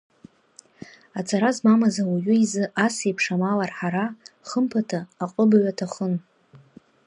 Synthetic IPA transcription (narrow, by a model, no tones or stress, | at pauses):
at͡sʰʼaɾazmamazawaɥʷʊizɨʔasejpʰʂamalarħaɾaχəmpʰatʰaːqʼəbaɥʷatʰaχən